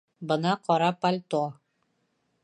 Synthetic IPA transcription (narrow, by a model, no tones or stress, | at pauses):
bɤ̆nɑqɒɾɑpɐlʲt̪o